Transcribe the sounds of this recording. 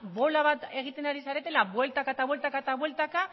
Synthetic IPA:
βo̞laβat̪e̞ɣ̞it̪e̞naɾisaɾe̞t̪e̞laβwe̞lt̪akaet̪aβwe̞lt̪akaet̪aβwe̞lt̪aka

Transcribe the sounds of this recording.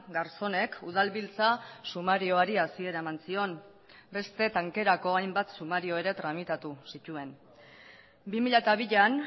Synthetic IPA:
ɡaɾso̞ne̞kuð̞alβilt͡sasumaɾio̞aɾiasie̞ɾaemansio̞n | be̞st̪e̞t̪aŋke̞ɾako̞ajmbat̪sumaɾio̞e̞ɾe̞t̪ɾamit̪at̪usit̪ue̞n | bimiʎat̪aβ̞iʎan

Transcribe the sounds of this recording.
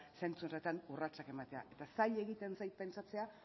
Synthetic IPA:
se̞nt͡sunret̪anurat͡sake̞mat̪e̞a̰ʔe̞t̪asaʎe̞ɣit̪e̞nsajt̪̚pe̞nt͡sat͡se̞a

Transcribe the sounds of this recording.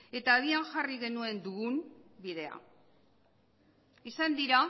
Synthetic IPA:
e̞t̪aːðianxariɣe̞nue̞nd̪uɣumbiðe̞a̰ | isand̪iɾa

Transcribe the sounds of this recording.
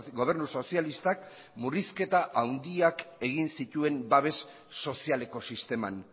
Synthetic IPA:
ɡo̞β̞e̞ɾnuso̞sialist̪ak̚ | muriske̞t̪aʔawnd̪iake̞ɣ̞insit̪ue̞mbaβe̞sː | o̞siale̞ko̞sist̪e̞ma̰n

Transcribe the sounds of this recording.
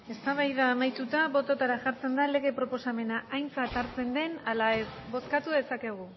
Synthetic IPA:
e̞st̪aβ̞ajðaːmajt̪ut̪aβo̞t̪o̞t̪aɾaʝaɾt͡se̞nd̪ale̞ɣe̞pɾo̞po̞same̞naʔajnt͡sat̪aɾt͡se̞nd̪e̞nalae̞sbo̞skat̪uðe̞sake̞ɣ̞u

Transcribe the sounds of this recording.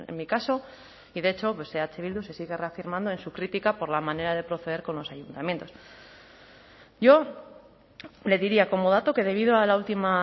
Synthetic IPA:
ḛnmikaso̞ | iðee̞t͡ʃo̞pwe̞seat͡ʃe̞βild̪use̞siɣ̞e̞re̞afiɾmãnd̪o̞e̞nsukɾit̪ikapo̞ɾlamãne̞ɾaðe̞pɾo̞θe̞ðe̞ɾko̞nlo̞sajunt̪amje̞nt̪o̞s | ɟ͡ʝo̞ | le̞ðiɾiako̞mo̞ð̞at̪o̞ke̞ðe̞β̞iðoalault̪ima

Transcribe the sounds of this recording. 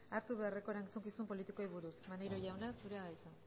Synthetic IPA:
aɾt̪uβe̞are̞ko̞ɾant͡suŋkisumpo̞lit̪iko̞iβuɾusmanejɾoʝawnasuɾe̞aðajt͡s̪a

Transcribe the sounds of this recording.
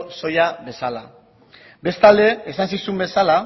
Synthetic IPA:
so̞jabe̞sala | be̞st̪ald̪e̞esansisumbe̞sala

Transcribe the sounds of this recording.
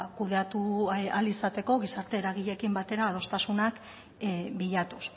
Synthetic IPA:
kuðe̞at̪ualisat̪e̞ko̞ɣ̞isaɾt̪e̞ːɾaɣ̞iʎe̞kimbat̪e̞ɾaːð̞o̞st̪asunak | biʎat̪us

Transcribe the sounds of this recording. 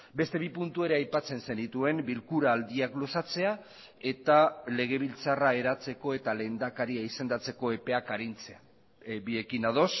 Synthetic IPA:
be̞st̪e̞β̞ipunt̪ue̞ɾeajpat͡se̞nse̞nit̪ue̞mbilkuɾaːld̪iaklo̞sat͡se̞a | e̞t̪ale̞ɣ̞e̞β̞ilt͡sarae̞ɾat͡se̞ko̞e̞t̪ale̞nd̪akaɾiaise̞nd̪at͡se̞ko̞e̞pe̞akaɾint͡se̞a | bie̞kinað̞o̞s

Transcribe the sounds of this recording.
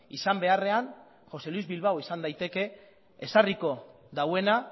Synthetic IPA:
isambe̞are̞an | xo̞se̞luizβilβawisand̪ajt̪e̞ke̞ː | sariko̞ | d̪awe̞na

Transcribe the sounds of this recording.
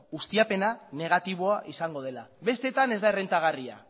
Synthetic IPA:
ɣust̪iape̞nane̞ɣ̞at̪iβ̞o̞aʔisaŋɡo̞ð̞e̞labe̞st̪e̞t̪ane̞zd̪aere̞nt̪aɣ̞aria̰

